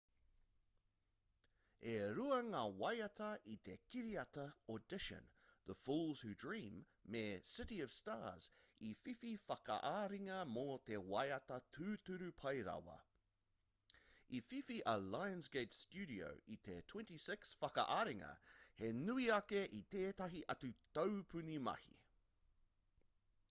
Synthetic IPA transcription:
eɾuɐŋaːwajɐt̪ʰɐʔit̪ʰekiɾiɐt̪ɐodɪʃə̰̃nðəfuːlˠz̥hʉdɹĩːmː | esɪɾiəv̥staːz̥ifififakɐ̰ʔaɾiŋɐmoːt̪ʰewajɐt̪ɐt̪ʰʉːt̪ʉɾʉpʰɐjɾɐ̰wɐ̰ | ififiʔɐlajə̃nsɡeɪtstʉɾio̰ʊʔit̪ʰetʰw̥ɛ̃ntisɪksfɐkɐ̰ʔaɾiŋɐ̰henʉiɐkeʔit̪eːt̪ɐɦiʔɐt̪ʉt̪oʊpʰʉnimɐ̰hḭ

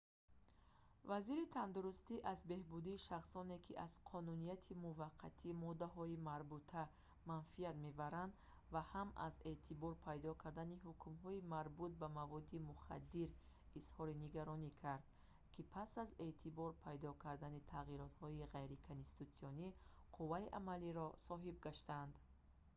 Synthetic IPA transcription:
vaziɾit̪ʰand̪uɾust̪iʔazbe̞hbud̪iːʃaχsɔnekʰiʔaz̥qʰɔnunijat̪ʰimuvaqʰːa̰t̪ʰimɔd̪aɦɔimaɾbut̪ʰa | manfiat̪me̞baɾand̪ | vahamʔa̰ze̞t̪ʰibɔɾpʰajd̪ɔkʰaɾd̪aniɦukʰumɦɔimaɾbut̪̚bamavɔd̪imuχa̰d̪ːiɾ | ishɔɾiniɡaɾɔnikʰaɾd̪̥̚ | kʰipʰasaze̞t̪ʰibɔɾpʰajd̪ɔkʰaɾd̪anit̪ʰaʁiɾɔt̪hɔiʁajɾikʰonsi̥t̪usiɔni | qʰuvaiʔamaliɾɔsɔɦibɡaʃt̪and̪

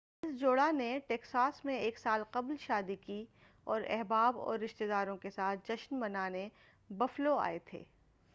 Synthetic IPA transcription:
ɪsd͡ʒoːɽaneʈeːksaːsmẽeːksaːlqɐblʃaːd̪iki | ɔːɾɛ̰ɦbaːbɔ̰ːɾːɪʃt̪ed̪aːɾõkesaːt̪̚ʰd͡ʒɐʃnbɐnaːne | bɐfloa̰ːet̪ʰḛː

